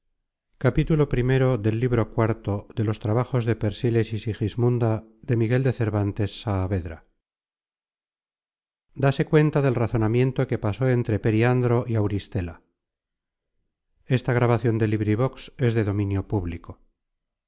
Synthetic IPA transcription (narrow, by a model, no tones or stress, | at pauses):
kapit̪ulo̞pɾime̞ɾo̞ðe̞lːiβ̞ɾo̞kwaɾt̪o̞ðe̞lo̞st̪ɾaβaxo̞zðe̞pe̞ɾsile̞sisixizmũnd̪aðe̞miɣe̞ld̪e̞θe̞ɾβant̪e̞sːaːβe̞ðɾa | d̪ase̞kwe̞nt̪aðe̞lraθo̞namjẽ̞nt̪o̞ke̞paso̞e̞nt̪ɾe̞pe̞ɾiand̪ɾo̞ʔiawɾist̪e̞la | e̞st̪aɣ̞ɾaβaθjo̞nd̪e̞liβɾiβ̞o̞kse̞zðe̞ðo̞mĩnjo̞puβliko̞